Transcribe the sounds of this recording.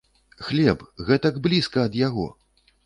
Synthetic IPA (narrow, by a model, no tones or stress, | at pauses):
xlʲɛpɣɛt̪ɐɡblʲiskɐɐd̪jaɣɔ̰